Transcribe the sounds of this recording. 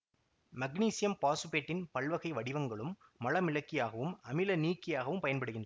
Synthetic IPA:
mɐɡniːsɪjɐmpaːsɯpeːʈːɪnpɐɭʋɐɣɐɪʋɐɽɪʋɐŋɡɐɭɯmːɐlɐmɪlɐkːɪjaːɣɐʋɯmɐmɪlɐniːkːɪjaːɣɐʋɯmpɐjɐnpɐɽɯɣɪndrɐ

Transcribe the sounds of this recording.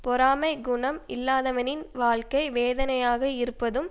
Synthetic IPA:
pɔɾaːmɐɪɡʊɳɐmɪlːaːðɐʋɐnɪnʋaːɭkɐɪʋeːðɐnɐjaːɣɐɪɾɯpːɐðɯm

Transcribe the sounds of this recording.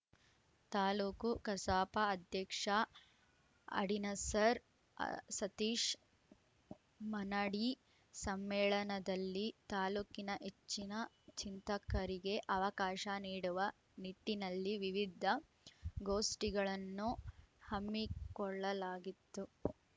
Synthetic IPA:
t̪aːluːkukɐsaːpɐːd̪ʱjɐkʂɐ | ɐ̰ɽinɐsɐɾ̰ | sɐt̪iːʂ | mɐnaɽi | sɐmːɛːɭɐnɐd̪ɐlːit̪aːluːkinɐʔet͡ʃːinɐ | t͡ʃint̪ɐkɐɾiɡe̞ʔɐʋɐkaːʃɐniːɽuʋɐ | niʈːinɐlːiʋiʋid̪ʱːɐ | ɡoːsʈiɡɐɭɐnːuhɐmːikɔɭːɐlaːɡit̪ːu

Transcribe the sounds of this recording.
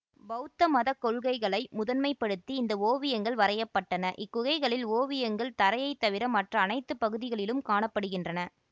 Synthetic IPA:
bɐʊt̪ːɐmɐðɐkːɔɭɣɐɪɣɐɭɐɪmʊðɐnmɐɪpːɐɽɯt̪ːiɪnd̪ɐoːʋɪjɐŋɡɐɭʋɐɾɐjɐpːɐʈːɐnɐʔɪkːʊɣɐɪɣɐɭɪloːʋɪjɐŋɡɐɭt̪ɐɾɐjɐɪt̪ːɐʋɪɾɐmɐʈrɐːnɐɪt̪ːɯpːɐɣɯðɪɣɐɭɪlɯmkaːɳɐpːɐɽɯɣɪndrɐnɐ

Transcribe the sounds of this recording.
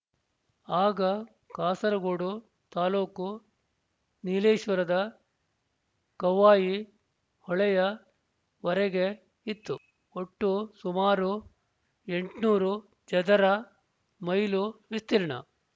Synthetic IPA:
aːɡɐ | kaːsɐɾɐɡoːɽu | t̪aːloːku | nileːʃʋɐɾɐd̪ɐ | kɐʋaːji | hɔɭɛjɐ | ʋɐɾɛɡe̞ | it̪ːu | oʈːusumaːɾu | e̞ɳʈnuːɾu | d͡ʒɛd̪ɐɾɐ | mɐjluʋist̪iɾɳɐ̰

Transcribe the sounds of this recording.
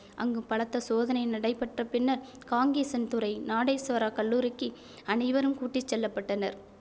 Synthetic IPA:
ɐŋɡɯmpɐɻɐt̪ːɐsoːðɐnɐɪnɐɽɐɪpːɐʈrɐpɪnːɐɾ | kaːŋɡiːsɐnt̪ʊɾɐɪnaːɽɐɪsʋɐɾaːkɐɭːuːɾɯkːɯ | ɐnɐɪʋɐɾɯmkuːʈːɪt͡ʃːɛlːɐpːɐʈːɐnɐ̰ɾ

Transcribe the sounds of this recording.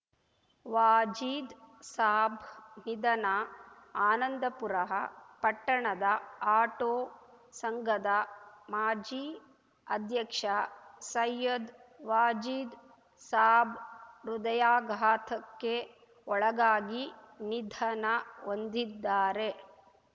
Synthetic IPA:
ʋaːd͡ʒid̪saːbʱnid̪ɐnɐaːnɐnd̪ɐpuɾɐɦɐpɐʈːɐɳɐd̪ɐaːʈoː | sɐŋɡʱɐd̪ɐmaːd͡ʒi | ɐd̪ʱjɐkʂɐsɐjːɐd̪ | ʋaːd͡ʒid̪ | saːbʱɾud̪ɐjaːɡʱaːt̪ʰɐkːe | ɔɭɐɡaːɡi | nid̪ʱɐnɐʋond̪id̪ːaːɾe

